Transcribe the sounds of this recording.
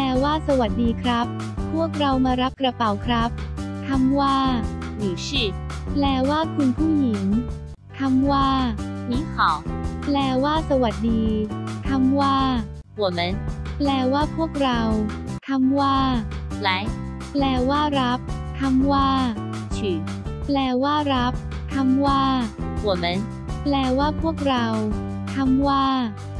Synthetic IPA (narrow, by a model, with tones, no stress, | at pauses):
ɛː˧waː˥˩sa˧wa˨˩t̪̚diː˧kʰɾa˦˥p̚ | pʰːu˥˩ək̚ɾa˧wmaː˧ɾa˦˥p̚kɾa˧pa˨˩˦wkʰɾa˦˥p̚t̪ʰa˧mwaː˥˩juː˨˩t͡ɕʰiː˥˩plɛː˧waː˥˩kʰu˧npʰu˥˩ŋji˩˦ŋ | t̪ʰa˧˥mwaː˥˩miː˦˥kʰɔː˨˩˦ŋplɛː˧waː˥˩sa˧wa˨˩t̪̚diː˧t̪ʰa˧mwaː˥˩ | wu˧˨˩me˦˧˥nplɛː˧waː˥˩pʰu˥˩ək̚ɾa˧w | t̪ʰa˧˥mwaː˥˩la˧˦˥j | plɛː˧waː˥˩ɾp̚ | t̪ʰa˧˥mwaː˥˩ | t͡ɕʰɯː˨˩˦ | plɛː˧waː˥˩ɾa˦˥p̚ | t̪ʰa˧˥mwaː˥˩wu˨˧˩me˦˥n | plɛː˧waː˥˩pʰu˥˩ək̚ɾa˧w | t̪ʰa˧˥mwaː˥˩